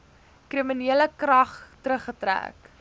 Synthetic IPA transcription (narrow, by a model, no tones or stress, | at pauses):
kriminiələkrɐχtɾəχətræ̰ːk